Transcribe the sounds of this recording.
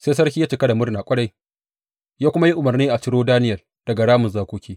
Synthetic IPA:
seː˦sɐ˦rkʲiː˦jaː˦t͡ʃɪ˨ka˦da˨mʊ˦rnaː˨kʷʼɐ˦ɽa˦j | jaː˦kʷʊ˦ma˦ji˦ʔʊ˨mɐ˨rniː˦ʔa˨t͡ʃɪ˦ɽoː˦daː˦nɪ˦jɐ˨l | d̥ɐ˨ɡa˨ɽaː˦mʊ˨nzaː˦kʷoː˦kʲiː˦

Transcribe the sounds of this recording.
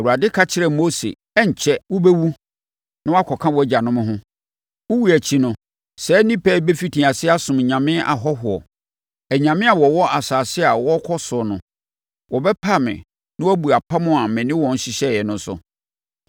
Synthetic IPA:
ɛ˨wu˨a˨dɪ˦kʰa˦t͡ɕʰɪ˦ɾɛ˨mo˦sḛ˨ | ɛ˦ɲ̩˨t͡ɕʰɛ˦wʊ˦be˦wu˦ | nɪ̃˦wa˦kʰɔ˨kʰã˦wɔ˨æ˦d͡ʑa˨nʊ̃˦mʊ̃˦ɦʊ̃˦ | wʊ˦wu˦æ˨t͡ɕʰi˦nʊ̃˦ | sɛː˦nĩ˦pʰɛ˦˨˦be˦fi˦tʰĩ˨a˨sɪ˦a˦sʊ̃˨m˨ɲã˨mɪ̃˦ʔa̰˨ɦɔ˦ɦʊ˨ɔ̰˨ | æ˨ɲã˨mɪ̃˦a˨wɔ˨wɔ˦a˨saː˨sɪ˦a˨wɔ˦kʰɔ˦sʊ˨ɔ˨nʊ̃˨ | wɔ˨bɛ˦pʰa˦˨mɪ̰̃˨ | nɪ̃˦wbu˨a˨pʰa˦mʊ̃˦a˨mɪ̃˨nɪ̃˦wɔ̃˨n̩˦ɕɪ˦ɕɛ˦˨jɛ˨nʊ̃˦n̩˦sʊ̰˨

